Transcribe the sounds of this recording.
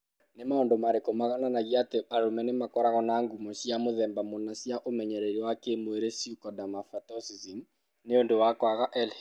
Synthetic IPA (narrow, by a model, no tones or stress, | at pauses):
nemaondomaɾekomaɣananaɣiateaɾomɛnemakɔɾaɣɔnaŋɡumɔsjamoðɛːmbamonasjaʔomɛɲɛɾɛɾiwakemoeɾesjukɔdamafatɔsizim | neondowakwaɣaʔɛl